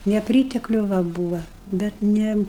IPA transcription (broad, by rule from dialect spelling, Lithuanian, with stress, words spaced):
nʲɛˈpʲrʲiːtʲɛklʲʊ ˈʋɐ ˈbuːʋɐ bʲɛt ˈnʲɛ